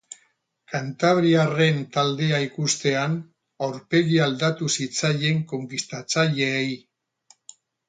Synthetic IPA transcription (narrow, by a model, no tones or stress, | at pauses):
kant̪aβ̞ɾiare̞nt̪ald̪e̞aikust̪e̞an | awɾpe̞ɣiald̪at̪usit͡saje̞ŋko̞ŋkist̪at͡saʎeːji